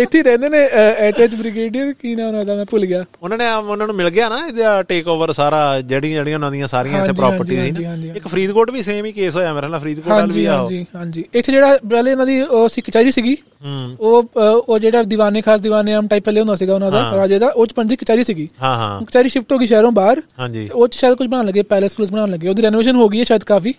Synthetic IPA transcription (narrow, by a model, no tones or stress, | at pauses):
ɪt̪ʰːiːɾɛ̃ːnd̪eːneːɛːt͡ʃeːt͡ʃbɾɪɡeːɖijokiːnɛːʊnãːd̪aːmɛ̃ːpʊlɡɪjaːʊnãːnẽːʊnãːnũːmɪlɡɪjaːnaːɪd̪aːʈeːkoːʋəɾsaːɾaːd͡ʒeːɽĩd͡ʒeːɽijãnãːd̪ɪjãːsaːɾiːaɦɪãːɲʰed͡ʒiɾaːɦãːpəɾd͡ʒiːiːiːɦãːɲd͡ʒiːɪkːpʰəɾiːd̪koːʈʋiːsẽːmĩːkeːsɦoːjaːmeːɾnãːpʰɾiːd̪koːɦãːɲld͡ʒiːaãd͡ʒiːɦãːɲd͡ʒiːɪt̪ʰːd͡ʒeːɽaːpɛːleːnãːd̪iːoːəsĩːkət͡ʃaːɾiːsiːɡiː | ɦoːoːd͡ʒeːɽaːd̪ɪʋaːnẽːkʰaːs̬d̪ɪʋaːneːamʈaːiːp̚pɛːleːɦʊ̃ːnd̪aːs̬iːɡaːʊnãːd̪aːpəɾad͡ʒeːd̪aːʔoːt͡ʃpəɳsiːkət͡ʃaːɾiːsiːɡiːɦãːɦã̰kət͡ʃaːɪɾiːʃɪpʰʈɦoːɡiːʃɛːɾõːbaːɾɦãːɲd͡ʒḭːoːt͡ʃʃaːjəd̪kʊt͡ʃʰbəɽaːnləɡːeːpɛːləspʊlɪsbəɽaːnləɡːeːoːd̪iːɾɛːnoːʋeːʃənɦoːɡiːɛːʃaːjəd̪kaːpʰiː